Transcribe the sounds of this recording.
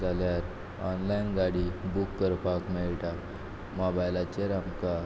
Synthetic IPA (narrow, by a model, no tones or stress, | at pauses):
d͡zaljaɾ | ɔnlajnɡaɽibukːəɾpakmeɭʈa | mɔbajlat͡ɕeɾamka